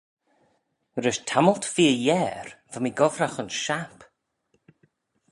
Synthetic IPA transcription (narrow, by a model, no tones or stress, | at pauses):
ɾɪʃtʰaməlˠtfiːəjɛːɾvamiɡɔvɾaxənʃap